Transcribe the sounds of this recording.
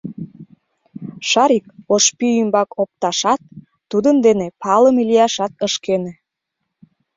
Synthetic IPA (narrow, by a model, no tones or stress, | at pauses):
ʃɑɾikoʃpyymbɑkʰop̚t̪ɑʃɑt̪̚ː | ud̪ənd̪enepʰɑləmelijɑʃɑt̪̚əʃkene